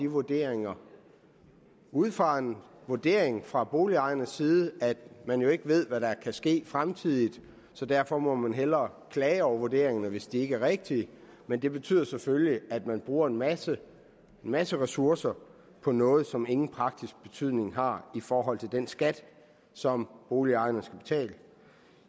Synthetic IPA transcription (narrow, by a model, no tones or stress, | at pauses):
iʋuɐd̥e̝̰ɐ̰eŋɐ | uðˠfɑ̈en | ʋuɐd̥e̝̰ɐ̰e̝ŋfʁɑ̈b̥o̝ːliɑ̈ɪɐnəsiːð̩ˠəæd̥mænjo̝e̝ɡ̥əʋe̝ð̞̰ˠʋæɾɑ̈kʰæsɡ̥e̝̰ːfʁamt͡sʰið̞̰ˠid̥ | sɒ̽d̥æɐfɒ̽mɒ̽mænɦel̰ɐkʰlɛːɒʊɐʋuoɐd̥e̝̰ɐ̰e̝ŋɐnəʋe̝sd̥ie̝ɡ̥əæɐʁeɡ̥̚d̥i | mend̥e̝b̥e̝t͡sʰy̰ð̰ˠɐsefølliæd̥mænb̥ʁuːɐe̝nmæsə | enmæsəʁɛsuɐsɐ | pʰɒ̽nɔ̽ːð̞̩ˠsɒ̽me̝ŋn̩pʰʁɑ̈ɡ̥̚d̥isɡ̥̚b̥e̝t͡sʰyð̞̰ˠne̝ŋɦɑ̈ifɒːɦɒ̽l̰t͡sʰe̝ld̥en̰sɡ̥æd̥ | sɒ̽mb̥o̝ːliɑ̈ɪɐnəsɡ̥æb̥e̝̥t͡sʰɛ̰ːlə